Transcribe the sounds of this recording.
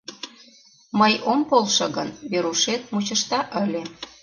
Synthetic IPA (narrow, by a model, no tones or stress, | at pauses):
məjompolʃɤ̆ɣənβeɾuʃet̪̚mut͡ɕə̆ʃt̪ɑʔəlʲe